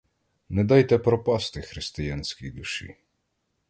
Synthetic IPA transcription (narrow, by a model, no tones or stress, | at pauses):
nɛd̪ɑjt̪ɛpɾɔpɑst̪ɪxɾɪst̪ɪjɑnʲsʲkʲijd̪ʊʃḭ